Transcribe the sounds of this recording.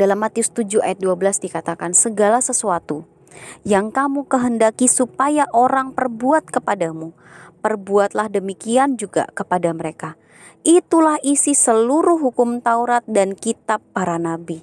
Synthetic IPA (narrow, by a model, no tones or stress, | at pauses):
d̥alamːat̪iust̪ud͡ʒua̰jat̪̚duabəlasdikat̪akansəɡalasəsuat̪u | jaŋkamukəɦəndakisupajaʔoɾaŋpərbuat̪̚kəpadamu | pərbuat̪lahdəmikiand͡ʒuɡa̰kəpadaməɾeka | ʔit̪ulahisisəluɾʊɦukʊmt̪auɾat̪̚dankit̪apːaɾanabi